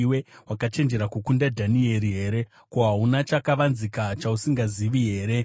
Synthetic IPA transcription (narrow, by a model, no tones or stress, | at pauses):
we̞wakat͡ʃe̞nd͡ʒe̞ɾakukundadʱanie̞ɾiɦe̞ːɾe̞ | koɦaunat͡ʃakaʋanzikat͡ʃausiŋɡaziʋiɦe̞ːɾe̞